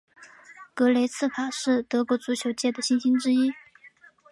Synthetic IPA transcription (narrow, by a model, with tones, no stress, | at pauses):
kɤ˧˥le˧˥ɪt͡sʰɹ̩˥˩pʰa˨˩ʂɻ̩˥˩t̪ɤ˧˥kwɔ˧˥t͡su˧˥ɕʰjo˨˩ʊt͡ɕjɛ˥˩d̪ə˩ɕi˥nɕi˥nʈ͡ʂɻ̩˥i˥